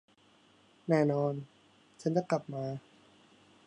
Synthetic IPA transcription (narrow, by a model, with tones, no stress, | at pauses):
nɛː˥˩nɔː˧n | t͡ɕʰa˦˥nt͡ɕa˥˩kla˨˩p̚maː˧